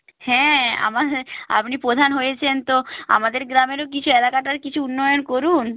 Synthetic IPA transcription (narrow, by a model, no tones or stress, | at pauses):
hɛ̃a̰maa̰pnipɾod̪ʱanɦojet͡ɕʰent̪oa̰mad̪eɾɡɾameɾok̬it͡ɕʰuelakaʈaɾkit͡ɕʰuunːɔjonkoɾun